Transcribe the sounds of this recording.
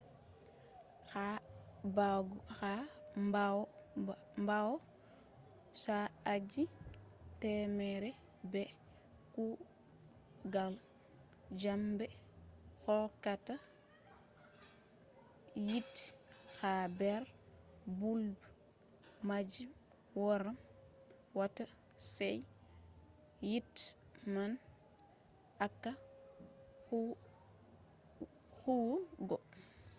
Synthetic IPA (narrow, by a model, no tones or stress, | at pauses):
xabaɡuxamba | mbawɔ | saad͡ʒi | tɛmɛɾɛ | bɛ | ku | ɡal | d͡ʒambɛ | xɔlkata | jit | habɛɾ | buldu | mad͡ʒim | wɔɾam | wata | sɛj | jit | man | akːa | huwɡɔ